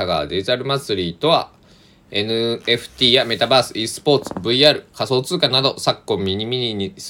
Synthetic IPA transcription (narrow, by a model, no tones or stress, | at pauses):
aɡa̰ːd̪ezaɾɯ̟mat͡sɨɾʲiːt̪o̞βa̰ | e̞nɯ̟e̞ɸɯ̟̥t̪ʲiːjame̞t̪abaːsɨ̥isɨ̥po̞ːt͡sɨ̥bɯ̟iaːɾɯ̟kaso̞ːt͡sɨːkanad̪o̞sakːõ̞mʲiɲ̟imʲiɲiɲis